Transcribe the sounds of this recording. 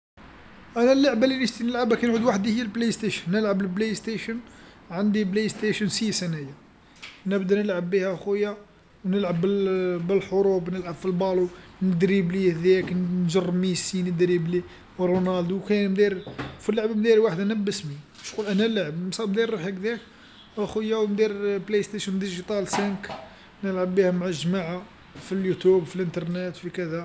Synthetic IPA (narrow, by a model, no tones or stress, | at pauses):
ʔænælːaʕbalːinəʃt̪inəlʕabækænʕud̪waħd̪ihəjːælblest̪eʃənːəlʕabəlblejst̪eʃən | ʕənd̪iblest̪eʃənsisænæja | nəbd̪ænəlʕabːihæxujːa | wnəlʕabːəbəlħoɾubnəlʕabfilbɑlunəd̪ɾiblihd̪ææknnʒərˤːmisinəd̪ɾibli | ɾunald̪wkænmd̪iɾfilːʕbmd̪iɾwaħəd̪ænəbːəsmi | ʃqulʔænælʕəbnsˤɑmd̪iɾːuħækd̪ik | ʔæxujːæwmd̪iɾplejst̪eʃənd̪iʒit̪ˤɑlsænk | nəlʕəbːihæmʕaʒmaʕa | filjut̪ubfilʔənt̪ɑɾˤnet̪fikæd̪æ